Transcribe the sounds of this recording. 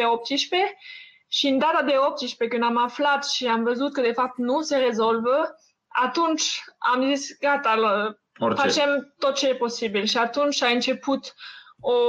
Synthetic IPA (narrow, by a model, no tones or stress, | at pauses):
eop̚t̪iʃpe | ʃiɨnd̪at̪ad̪e̞op̚t̪iʃpekɨnd̪amaflat̪ʃiamvəzut̪̚kəd̪e̞fap̚t̪nuseʁezolvə | at̪unt͡ʃamzisɡat̪al | fat͡ʃemt̪ot̪̚t͡ʃejeposibilʃiat̪unt͡ʃaɨnt͡ʃe̞put̪o